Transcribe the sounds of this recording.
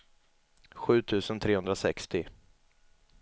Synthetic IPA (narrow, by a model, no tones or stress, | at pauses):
ɧʉ̟ːt̪ʰʉ̟ːsənt̪ʰɾeːɵnd̪ɾasɛkst̪ɪ